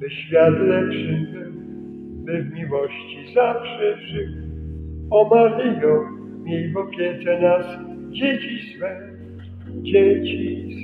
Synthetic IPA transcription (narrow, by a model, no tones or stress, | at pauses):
bɨɕfʲjat̪lɛpʂɪv | bɪvmʲiwɔɕt͡ɕizafʂɛʐɪw | ɔmavʲijɔ̃w | mʲjelivɔpʲjɛtɛnas | d͡ʑet͡ɕiswɛ | d͡ʑet͡ɕi